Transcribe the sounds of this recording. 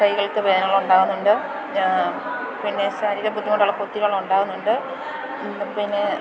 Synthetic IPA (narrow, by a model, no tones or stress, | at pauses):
kɐjɣɐɭkɨʋeːnɐːɭːɐuɳɖaːɣunːuɳɖɨ | pinːe̞ɕaːɾiːɾɐbʱut̪ːimoɳʈːaːɭːɐpot̪ːiɾaɭɐuɳɖaːɣunːuɳɖɨ | pinːe̞